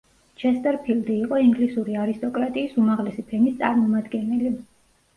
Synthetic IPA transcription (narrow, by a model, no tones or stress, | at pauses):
t͡ʃʰɛst̪ʼɛɾpʰild̪iːqʼɔiŋɡlisuɾiaɾist̪ʼɔkʼɾat̪ʼiːsumaʁlɛsipʰɛmist̪sʼa̰ɾmɔmad̪ɡɛnɛli